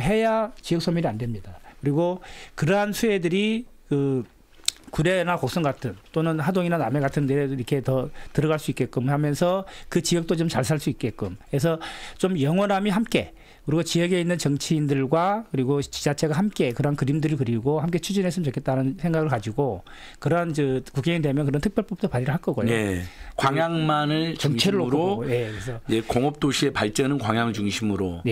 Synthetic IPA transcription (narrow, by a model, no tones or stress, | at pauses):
ɦe̞jat͡ɕijʌk̚s͈omiɾiande̞mɲidakɯɾiɡokɯɾʌɦansʰue̞dɯɾikɯ | kuɾe̞nakok̚s͈ʌŋɡatʰɯnt͈onɯnhadoŋinaname̞ɡatʰɯndeeiɾʌkʰe̞tʌtɯɾʌɣaɭs͈uik͈e̞k͈umhamjʌnsʰʌkɯt͡ɕijʌk̚t͈ot͡ɕomt͡ɕaɭs̬ʰaɭs͈uik͈ek͈umke̞s̬ʰʌt͡ɕomjʌŋwʌnamiɦamk͈e̞ | kɯɾiɡot͡ɕijʌɡe̞inːɯnt͡ɕʌŋt͡ɕʰiːndɯɭɡwakɯɾiɡot͡ɕi̥d͡ʑat͡ɕʰe̞ɡahamk͈e̞kɯɾʌankɯɾimdɯɾɯɭkɯɾiɡohamk͈e̞t͡ɕʰud͡ʑinɦes̬͈ɯmt͡ɕokʰet͈anɯnsʰe̞ŋɡaɣɯɭkad͡ʑiɡo | kɯɾʌant͡ɕɯkukʰeŋede̞mjʌkɯɾʌntʰɯk̚pjʌɭpʌp̚t͈opaɾiɾɯɭɦaɭk͈ʌɡojekwaŋjaŋmanɯɭt͡ɕʌŋt͡ɕʰeɾɯɭːokɾooje̞kkɾes̬ʰʌjekoŋʌp̚t͈oɕʰie̞paɭt͡ɕ͈ʌnɯnkwaŋjaŋɯɭt͡ɕuŋɕʰimɯɾoje